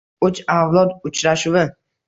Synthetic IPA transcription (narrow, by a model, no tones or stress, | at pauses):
ʊt͡ʃawlˠɒt̪ʊt͡ʃɾaʃʊwɪ